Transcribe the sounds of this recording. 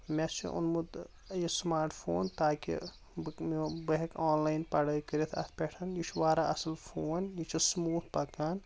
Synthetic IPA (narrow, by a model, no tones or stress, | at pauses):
met͡ʃʰḭʔṵnmud̪ | jismaːɾʈfʰo̰ːnt̪aːkḭ | bmibɐɦɐkaːnlaːjnpɐɽɐkəɾit̪ʰɐ̰t̪ʰpʲɛʈʰɐnjit͡ʃʰʋaːɾaɐsɐlfʰoːnjit͡ʃʰismuːt̪̚ʰpɐkaːn